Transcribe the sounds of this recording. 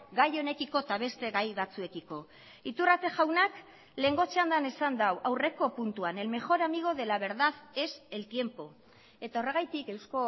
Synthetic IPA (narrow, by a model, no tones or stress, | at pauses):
ɡajo̞ne̞kiko̞t̪aβ̞e̞st̪e̞ɣajβat͡sue̞kiko̞ | it̪urat͡se̞ʝawnak | le̞ŋɡo̞t͡seand̪ane̞sand̪awʔawre̞ko̞punt̪uane̞lme̞xo̞ɾamiɣ̞o̞ðe̞laβ̞e̞ɾðaðe̞se̞lt̪je̞mpo̞ | e̞t̪ao̞re̞ɣajt̪ike̞wsko̞